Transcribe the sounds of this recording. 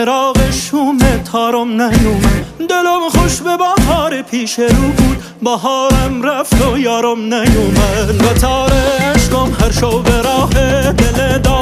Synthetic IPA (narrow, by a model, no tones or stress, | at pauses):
eɾɑːɣeʃumet̪ʰɑːɾomnæjuːmæd̪elomχoʃbebæɦɑːɾepʰiːʃeɾuːbuːd̪ | bæɦɑːɾæmɾæft̪ʰojɑːɾomnæjuːmæbæt̪ʰɑːɾeæʃɡomhæɾʃowbeɾɑːɦed̪eled̪ɒ